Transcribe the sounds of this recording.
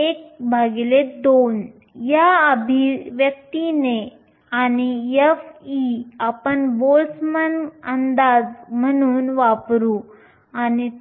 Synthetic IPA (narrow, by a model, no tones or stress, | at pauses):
ek̚bʱaɡled̪on | jaəbʱiʋjək̚t̪ine | aniefiapəɳbolsmənənd̪ad͡zm̤əɽ̃uːnʋapɾu | ani